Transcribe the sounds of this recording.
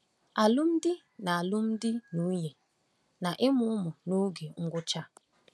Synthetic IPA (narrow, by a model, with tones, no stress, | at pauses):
a˨lʊ˦m̩˦dɪ˦ | na˨a˨lʊ˦m̩˦dɪ˦nu˨˦je˨ | na˨ʔɪ˦mʊ˦ʊ˦mʊ˨no˦ɡe˨ŋ̩˦ɡʷʊ˦t͡ʃa˦